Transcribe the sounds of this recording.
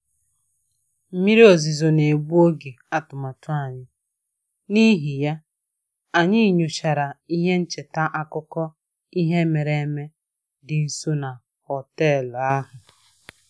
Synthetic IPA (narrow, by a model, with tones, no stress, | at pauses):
m̩˦mi˦ɾe˦o˨zi˨zo˨ne˨ɡ͡bu˦o˦ɡe˨ | a˦tʊ˨ma˨tʊ˦a˨ɲɪ˦ | ni˦ɦi˨ja˦ | a˨ɲɪ˦˨ɲu˨t͡ʃa˨ɾa˨i˦ɦe˦n̩˦t͡ʃe˨ta˦ʔa˦kʊ˦kɔ˦ | i˦ɦe˦me˨ɾe˨˦me˦ | dɪ˨n̩˨su˦na˨ | hɔ˨tɛ˦˨la˦ɦʊ˨